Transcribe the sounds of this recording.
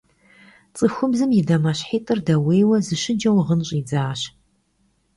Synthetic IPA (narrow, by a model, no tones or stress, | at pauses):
t͡sʼɨxʷʊbzɨmjɪdɐmɐɕħiːtʼɨrdɐweːwɐzɨʃɪd͡ʒɐwʁənɕʼiːd͡zaːɕ